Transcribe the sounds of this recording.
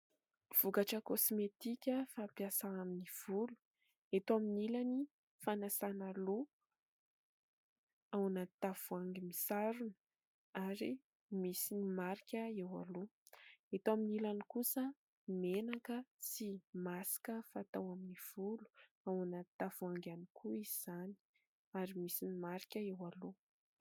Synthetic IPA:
v̥ukaʈ͡ʂəkosmet̪ikʲəfapiasaaminiv̥ulu̥ | et̪aminilani | fanasanalo | awanat̪av̥uaŋɡimisaɾunə̥ | aɾi | misinimaɾikʲəewa̰loet̪aminilanikusə | menakət͡simasi̥kəfat̪awaminiv̥ulu̥ | awanat̪avuaŋɡanikʰuizz̥ani̥ | aɾimisinimaɾikʲəewalo

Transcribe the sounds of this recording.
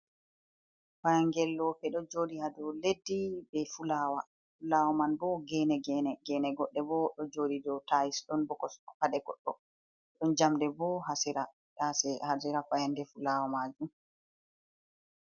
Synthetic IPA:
fajaŋɡɛlːɔpɛɗɔd͡ʒoːdihadɔledːibɛfulaːwa | fulawamanbɔɡɛːnɛɡɛnɛɡɛnɛɡɔɗːɛbɔɗɔd͡ʒoːdidɔtajisɗɔnbɔkɔsɗɔpaɗɛɡɔ̰ɗːɔ̰ | ɗɔnd͡ʒamdɛbɔɦasɛɾa | hasɛhad͡ʒɛɾafajandɛfulawamad͡ʒum

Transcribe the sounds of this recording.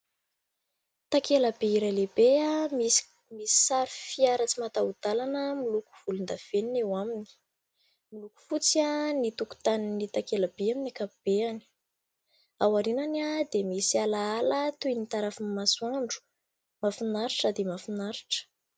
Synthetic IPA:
t̪akelabeiɾajlebeami | misi̥saɾufiaɾət͡simat̪aud̪̥alanəmiluku̥v̥ulund̪av̥eninewamini̥ | miluku̥fut͡sianit̪uku̥t̪aninit̪akelab̥eaminakapub̥eani̥ | awaɾinanad̪emisialaalət̪ujnit̪aɾafimasuaɳɖ͡ʐu̥ | mafinaɾiʈ͡ʂəd̪emafinaɾi̥ʈ͡ʂə̥

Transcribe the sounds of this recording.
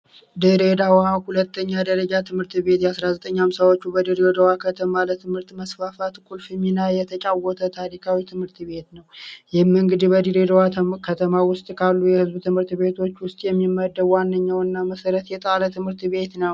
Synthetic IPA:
d̪iɾed̪awahulət̪ʰːəɲːad̪əɾəd͡ʒat̪ʰɨmhɨɾt̪be̞t̪jɛasɾazət̪ʼəɲːamsawo̞t͡ʃːubəd̪iɾiɾed̪əwakʰət̪ʰəmalət̪ʰɨmhɨɾt̪məsfafat̪ɨkʼulfɨminajɛt̪ʰət͡ʃʼawːɔt̪ʰət̪ʰaɾikʰawit̪ʰɨmhɨɾt̪ʰβe̞t̪nəwjɛmːɨŋɡɨd̪ibəd̪iɾed̪əwakʰət̪ʰəmawʊst̪ʼkʰalːujɛhɨzbt̪ʰɨmhɨɾt̪be̞t̪ʰo̞t͡ʃːwʊst̪ʼjɛmːimːəd̪ːəbwanːəɲːawɨnːaməsəɾət̪jɛt̪ʼalət̪ʰɨmhɨɾt̪βe̞t̪nəw

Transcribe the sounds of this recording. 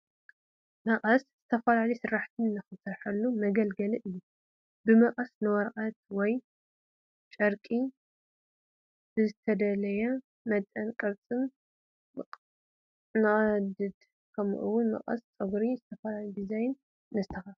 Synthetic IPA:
mɐqʼɐsz̥ɨt̪ʰɐfɐlalɐijsɨɾːaħt̪ʰɨnnɨxɨsɐɾħɐlːumɐɡɐlɡɐlɨʔɨjːu | bɨmɐqʼɐsnɨwɔɾʔʼat̪̚wɔj | t͡ʃʼɐɾkʼi | bɨzɨt̪ʰɐd̪ɐlɐjɐ | mɐt̪ʼɐnkʼɨɾt͡sʼɨn | nɨɐd̪ɨd̪ | kʰɐm̰ʔṵwʊnmɐ̰χʼɐ̰st͡sʼɐɡɾizɨt̪ʰɐfɐlalid̪izajnː | ɨzɨt̪ʰɐxɐ

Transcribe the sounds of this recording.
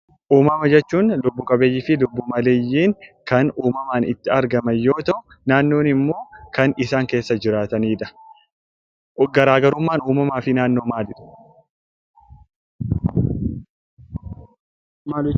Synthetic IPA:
ʔuːmɐmɐd͡ʒɛt͡ʃːuːnlʊbːʊkʼɐbeːjːɪfɪlʊbːʊmɐleːjːiːŋkɐnuːmɐmaːnɪt̪ːɪɐɾɡɐmɐjːo̞ːt̪ɐʔʊ | naːnːo̞ːnɪmːo̞ːkɐnɪsaːŋke̞ːsːɐd͡ʒɪɾaːt̪ɐniːᶑ̪ɐ̥ | ɡɐɾaːɡɐɾʊmːaːnuːmɐmaːfɪnaːnːo̞ːmaːlɪᶑɐ̥

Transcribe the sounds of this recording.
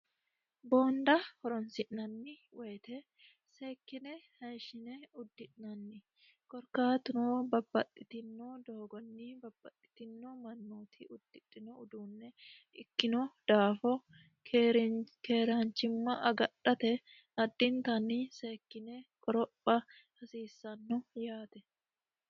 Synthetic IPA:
bo̞ːnd̪ɐhɔɾɔnsɪʔnɐnːɪ | weːt̪ɛ | se̞ːkːɪnɛhɐjʃɪnɛʊd̪ːɪᶑnɐnːɪ | kɔɾkaːt̪ʊnoːbɐbːɐt̪ʼːɪt̪ɪnːod̪oːɡɔnːɪbɐbːɐt̪ʼːɪ̥t̪ɪnːɔmɐnːoːt̪ʰɪʔʊd̪̥ːɪᶑʼːɪnɔʊd̪uːnːɛ | ɪkːɪnɔd̪̥aːfɔ | ke̞ːɾaːnt͡ʃːɪmːɐʔɐɡɐᶑɐt̪ɛ | ɐd̪ːɪnt̪ɐnːise̞ːkːɪnɛkʼɔɾɔpːɐ | hɐsiːsːɐnːɔjaːt̪ɛ

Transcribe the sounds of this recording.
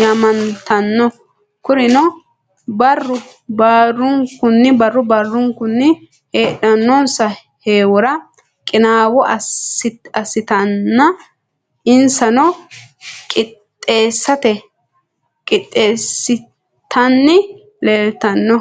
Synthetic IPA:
jamɐnt̪ɐnːɔ | kʊɾɪnɔ | bɐrːʊ | baːrːʊŋkːʊnːɪbɐrːʊbɐrːʊŋkʊnːɪ | heːᶑɐnːɔnsɐ | heːwʊɾɐ | kʼɪnaːwɔʔɐsɪɐsɪt̪ɐnːɐ | ʔɪnsɐnɔ | kʼɪt̪ʼːe̞ːsːɐt̪ɛ | kʼɪt̪ʼːeːsːɪ | t̪ʰɐnːɪ | leːlt̪ɐnːɔ

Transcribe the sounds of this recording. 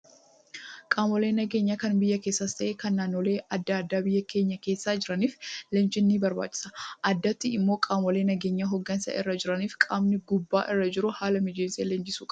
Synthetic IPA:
kʼaːmɔleːnːɐɡe̞ːɲːakɐnbɪjːɐke̞ːsːɐst̪ɐʔeːkɐnːaːnːoːle̞ːʔɐd̪ːɐːd̪ːaːbɪjːɐke̞ːɲːɐke̞ːsːaːd͡ʒɪɾɐniːflɛnt͡ʃɪnːiːbɐɾba̰ːt͡ʃʼːɪ̥sɐ̥ʔɐd̪ːɐt̪ːɪɪmːo̞ːkʼaːmɔleːnɐɡe̞ːɲːaɦɔɡːɐnsɐ̰ʔɪrːɐd͡ʒɪɾɐniːfkʼaːmnɪɡʊbːaːʔɪrːɐd͡ʒɪɾʊhaːlɐmɪd͡ʒeːnsḛːlɛnt͡ʃɪsuːkʼ

